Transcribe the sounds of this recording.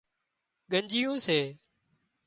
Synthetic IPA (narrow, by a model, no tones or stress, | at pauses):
ɠəɲd͡ʒijõːseː